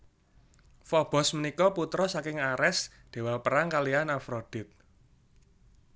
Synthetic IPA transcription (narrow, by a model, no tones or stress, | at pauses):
fɔb̥ɔ̤smənikɔput̪ɾɔsakɪŋaɾɛs | d̪̥e̤walpəɾaŋkalianafɾod̥ɪ̤t̪̚